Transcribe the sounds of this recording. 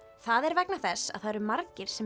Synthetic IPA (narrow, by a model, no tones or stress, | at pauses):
θaðɛɾvɛknaθɛsːa̰ðθaðɛɾʏmaɾcɪɾ̥sɛ